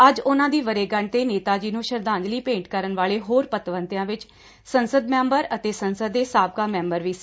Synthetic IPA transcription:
əd͡ʒʊnãːd̪iːʋəɾeːɡəɳt̪eːneːt̪aːd͡ʒiːnũːʃəɾd̪ãːɲd͡ʒliːpẽːɳʈkəɾənʋaːɭeːɦoːɾpət̪ʋənt̪ɪjãːʋɪt͡ʃ | sənsəd̪mɛ̃ːmbəɾət̪eːsənsəd̪ːeːsaːb̚kaːmɛ̃ːmbəɾʋiːsi̥

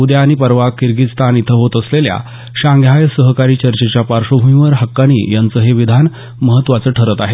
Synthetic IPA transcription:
ud̪jaːɽ̃ipəɾʋakːiɾɡit̪st̪ʰanit̪ʰəɦot̪əslelja̰ | ɕãŋɡʱjajəsəɦəkaɾiːt͡ɕəɾt͡ɕet͡ɕjapaɾʂobʱumiʋəɾɦəkːaɽ̃ḭːjant͡səɦeʋid̪ʱan | məɦət̪ːʋat͡səʈʰəɾət̪aɦe

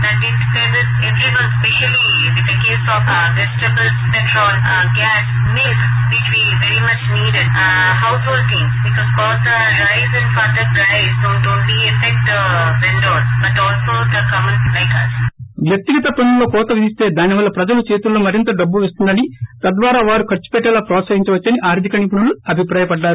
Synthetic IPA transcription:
d̪ɛʈɪʈd̪eʋɪz | eʋɾiʋɐ̃nspeʃɐli | iziɐkeːsɔːf | ʋesʈɐbəlspɛʈɾɔːl | ɡæːs | melk | ʋit͡ʃʋiʋeɾimɐt͡ʃniːɖɪɖ | ɦawsoːlt̪ĩŋsbikɔːzkɔːt̪ɐ | ɾaɪzɪ̃nfɐɾd̪əpɾaɪznoːʈõːnliefɛk̚ʈʋɪ̃ɳɖoːbɐʈɔːlsoːd̪ɐkɐmə̃nɾaɪkɐsʋjɐk̚t̪iɡɐt̪ɐpɐnulo̞ːkɔːt̪ɐɡɐd̪ist̪e̞ːd̪aːniʋɐlːɐpɾɐd͡ʒɐlut͡ʃe̞ːt̪ulːoːmɐɾint̪ɐɖɐbːuʋest̪und̪ɐnit̪ɐd̪ʋaːɾaːʋaːɾukɐɾt͡ʃːu̥pɛʈːɛːlaːpɾɔːt̪sɐɦiɲt͡ʃɐʋɐt͡ʃːɐniʔaːɾt̪ʰikɐɳip̬uɳɐluɐbʱipɾaːjɐpɐɖːaːɾu

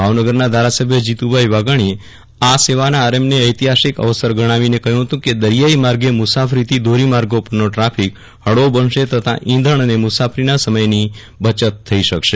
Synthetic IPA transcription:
bʱaʋnəɡəɾnad̪ʱaɾasəbʱjəd͡ʒit̪ubʱajʋaɡaɽ̃ie | aseʋanaːɾəmneəjt̪iɦaʃikə̰ʋəsəɾɡəɽ̃aʋinekəjũɦət̪ũked̪əɾjaimaɾɡemʊsafʰəɾit̪ʰid̪ʱoɾimaɾɡopəɾnoʈɾapʰik | həɭobənʃet̪ət̪ʰa̰ʔĩnd̪ʱəɳ̃ənemʊsapʰəɾinasəməjni | bət͡ʃət̪ʰːəiʃəkʃe

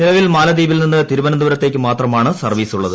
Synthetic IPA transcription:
nilɐʋilmaːlɐd̪iːbilninːɨt̪iɾubɐnɐmd̪uʋɐɾɐt̪ːe̞ːk̬ʲːɨmaːt̪rɐmaːɳɨsɐrʋiːsuɭːɐðɨ

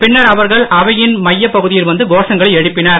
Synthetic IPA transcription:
pɪɳːɐɾɐʋɐɾɣɐɭɐʋɐjɪnmɐjːɐpːɐɣɯðɪjɪlʋɐnd̪ɯɡoːʂɐŋɡɐɭɐɪɛɽɯpːɪnaːɾ

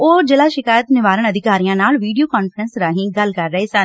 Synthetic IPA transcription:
oːd͡ʒɪlaːʃɪkaːjət̪nɪʋaːɾəɳ̃əd̪ʱɪkaːɾijãːnaːlʋiːɖijoːkaːnfɾənsɾaːɦĩːɡəlkəɾːəɦeːsən

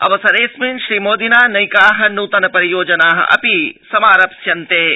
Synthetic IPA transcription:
ɐ̰ʋɐsɐɾeːsminʃɾiːmoːd̪inaːnɐjkaːɦɐ̆nuːt̪ɐnɐpɐɾijoːd͡ʒɐnaːɦɐ̰ʔɐ̰pisɐmaːɾɐpsjɐnt̪eː

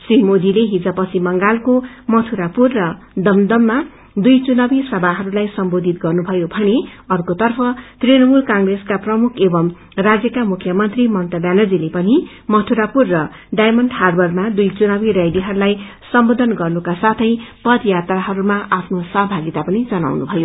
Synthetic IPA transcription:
srimod̪ileɦid͡zʌpʌt͡sʰimʌŋɡalkomʌt̪ʰuɾapurːʌ | d̪ʌmd̪ʌmːa | d̪ujt͡sunabisʌbʱaɦʌɾulajsʌmbod̪ʱit̪ɡʌrnubʱʌjobʱʌneʌrkot̪ʌrpʰʌt̪renʌmulkãŋɡreskaprʌmukʰebʌm | rad͡zjʌkamukʰjʌmʌnt̪rimʌnt̪ʌbjanʌd͡zilepʌni | mʌt̪ʰuɾapurːʌ | ɖajmʌnɖharbʌrmad̪ujt͡sunabiɾjajd̪iɦʌɾulajsʌmbod̪ʌnɡʌrnukasat̪ʰʌjpʌd̪jat̪raɦʌɾumaʔapʰnosʌɦʌbʱaɡit̪apʌnid͡zʌna̰wnubʱʌjo

